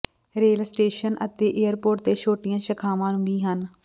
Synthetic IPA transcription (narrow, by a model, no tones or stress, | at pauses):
ɾeːlsʈeːʃənʔə̰t̪eːʔeːəɾpoːʈ̚t̪eːʃoːʈɪjãːʃəkʰaːʋãːnũːbiːɦən